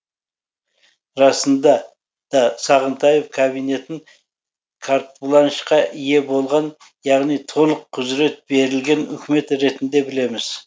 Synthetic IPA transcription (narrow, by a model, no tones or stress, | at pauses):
ɾɑsənd̪ɑ | d̪̥ɑsɑʁənt̪ʰɑjefkʰabijne̞t̪ɪŋ | kʰaɾt̪bulˠɑnəʃqɑʔije̞bo̞lˠʁɑn | jɑʁnijt̪ʰo̞lˠəqʰːʊzɾe̞t̪̚be̞ɾɪlɡʲe̞nʏ̰kʲɪme̞t̪ɾe̞t̪ɪnd̪e̞bɪle̞mɪz̥